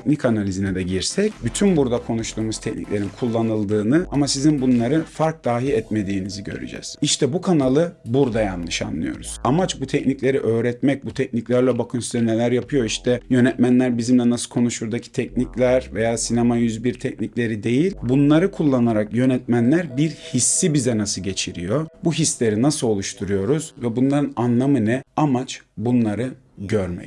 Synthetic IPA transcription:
cnicanalʲizinɛd̪ɛɟiɾsɛcbyt̪ʰynbuɾd̪akʰo̞nuʃt̪ʰuːmuzt̪ʰɛcnḭclʲe̞ɾinkʰulˠːanɯlˠd̪ɯːnɯamasizinbunlˠaɾɯfaɾk̚d̪̥aːɦiɛt̪me̞d̪iːniziɟø̰ɾy̰d͡ʒɛ̰z̥iʃt̪ʰɛbukʰanalˠɯbuɾd̪ajanːɯʃa̰nlːˠɯ̰jo̞̰ɾuz̥amat͡ʃbut̪ʰɛcnicʲlʲe̞ɾiʔøːɾɛt̪mɛc̚but̪ʰɛcniclʲæɾlʲɛbakʰɯnsyzɛne̞lʲæɾjapʰɯjo̞iʃt̪ʰɛjø̞nɛt̪mænlʲæɾbizimlʲɛnasɯkʰo̞nuʃuɾd̪acʰi̥t̪ʰɛc̚niclʲæɾvejaːsinemajyzbiɾt̪ʰɛcniclʲe̞ɾid̪e̞jilʲbunlˠaɾɯkʰulˠːanaɾakjø̞nɛt̪̚mænlʲæɾbiɾhisːibizɛnasɯlɟe̞t͡ʃʰiɾijo̞buɦislʲe̞ɾinasɯo̞lˠuʃt̪ʰuɾujo̞ɾuz̥vɛbunlˠaɾɯnanlˠamɯnɯamat͡ʃbunlˠaɾɯ | ɟøɾmɛ̰c

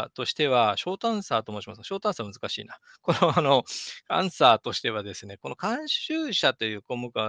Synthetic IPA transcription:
t̪o̞ɕi̥t̪e̞βaɕo̞ːt̪ãɰ̃saːt̪omoːɕimasɨ̥kɕo̞ːt̪ãsaβmɯzɨ̥kaɕḭːna | ko̞noano̞kã̰ɰ̃saːt̪o̞ɕi̥t̪e̞βad̪e̞sɨne̞ko̞no̞kãɰ̃ɕɨːɕat̪o̞jɯ̟ːko̞mɯ̟ka

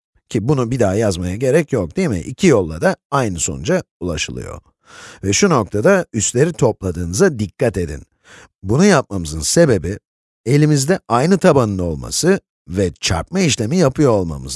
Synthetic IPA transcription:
cʰibunubid̪aɦjazmajaɟe̞ɾɛcjok̚d̪ijmḭʔicʰijo̞lˠːad̪aajnɯso̞nund͡ʒaulˠa̰ʃɯlˠɯ̰jo̞̰ | vɛʃuno̞k̚t̪ʰad̪ayst̪lʲe̞ɾit̪ʰo̞plˠad̪ɯːnɯzad̪ikʰːat̪e̞d̪ḭn | bunujap̚mamɯzɯnse̞be̞bi | e̞lʲimizd̪ɛajnɯt̪ʰabanɯno̞lˠma̰sɯ | vɛt͡ʃʰa̰ɾp̚maiʃlʲe̞mijapʰɯjoːlˠma̰mɯ̰z

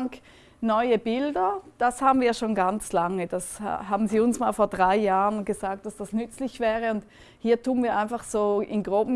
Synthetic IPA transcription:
ŋk | nɔʏəbɪldɐd̥ashaːbn̩viːɐʃoːnɡant͡slaŋəd̥ashɦaːbn̩ziːʊnsma̰ːlfoːɐdʁaɪjaːʁənɡəzaːk̚t̚d̥asd̥asnʏt͡slɪçv̥ɛːʁəʊnt | hiːɐtuːənviːɐʔaɪnfaχz̥oːɪnɡʁoːbm̩

